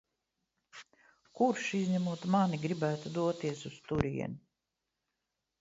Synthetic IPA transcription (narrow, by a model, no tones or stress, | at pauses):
kuɾʃizʲɲæmuɔt̪maniɡɾibæːt̪ud̪uɔt̪iɛsust̪uɾḭɛ̰nu